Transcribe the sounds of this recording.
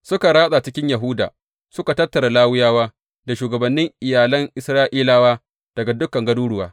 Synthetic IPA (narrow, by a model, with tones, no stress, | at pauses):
sʊ˦ka˨ɽaː˦sʼa˨t͡ʃɪ˦kʲɪ˦ɲjɐ˨ɦʊ˦da̰˨ | sʊ˦ka˨tɐ˦tːɐ˨ɾa˨laː˦wʊ˦jaː˦waː˦ | da˨ʃuː˨ɡɐ˨bɐ˨nːɪ˦ŋʔɪ˨jaː˨lɐ˦ŋʔɪ˨sɾaː˦ʔiː˦laː˦waː˦ | d̥ɐ˨ɡa˨dʊ˦kɐ˨ŋɡɐ˦duː˦ɽʊ˨wa̰ː˦